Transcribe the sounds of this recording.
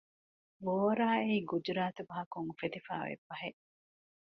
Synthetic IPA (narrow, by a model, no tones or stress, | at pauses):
boːɾaːeiɡud͡ʒɾaːt̪ubɐɦɐkuŋfet̪ifa̰ːʋḛbːɐɦe